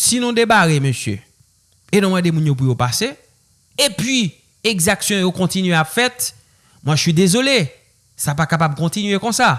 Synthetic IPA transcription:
sinũd̪ebaɣeməsjø̰ | enɔ̃mɛ̃demũnjop̬ujopase | epɥi | eɡzaksjɔ̃jokɔ̃t̪inɥeapfɛt̪ | mwɛʒəsɥidezole | sapakapab̚kɔ̃t̪inɥekɔ̃sa

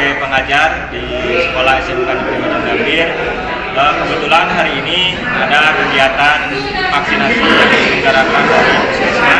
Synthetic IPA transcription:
pəŋad͡ʒardi | sə̥kolahɛsepukanamɾibanaŋɡambɪr | əkəbət̪ulanɦaɾiːni | adakəɡiat̪an | faksinasiaɡaɾakanaɾakusasa

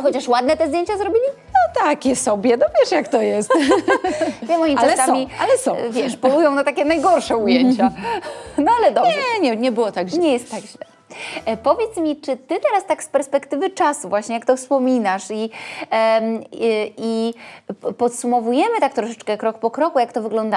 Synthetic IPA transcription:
xɔt͡ɕaʂwad̪̚nɛt̪ɛzd̪jeɲt͡ɕazɾɔbʲilʲi | nɔt̪akʲɛsɔbʲjɛd̪ɔpʲjɛʂjakt̪ɔjɛst̪ | ɲɛmɔjiʈ͡ʂasɛsaɔmialɛsɔ̃vʲjɛʂpɔlujɔ̃w̃nat̪akʲɛnajɡɔɾʂɛujeɲt͡ɕa | nɔalɛd̪ɔɛɛɲɛɲɛbɘwɔt̪aɡɲɛjɛst̪ːaɡʑlɛ | pɔvʲjɛt̪smʲit͡ʂɘt̪ɘt̪ɛɾast̪akspɛɾspɛkt̪ɘvɘt͡ʂasuvwaɕɲɛjakt̪ɔfspɔmʲinaʂi | i | pɔt̪sumɔvujɛmɘt̪ak̚t̪ɾɔʂɛt͡ʂkɛkɾɔk̚pɔkɾɔkujakt̪ɔvɘɡlɔnd̪a

